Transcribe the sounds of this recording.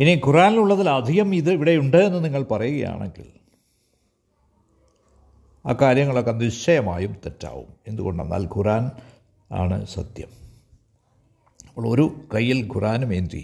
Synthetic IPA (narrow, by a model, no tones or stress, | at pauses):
inikuraːniluɭːɐðilɐd̪ʱijɐmiðɨiʋiɽe̞juɳɖɨenːɐniŋːɐɭpɐrɐjuɣɐ̰ja̰ːɳḛŋɡḭl | a̰ːkaːɾjɐŋːɐɭo̞kːeniɕɐjɐmaːjumt̪etːa̰ːʋṵme̞nd̪uɣo̞ɳɖḛnːa̰ːlkuraːn | a̰ːɳɨ̰sɐ̰t̪jɐm | ɐpːoɭːo̞ɾukɐjːilkurʔaːnumend̪rḭ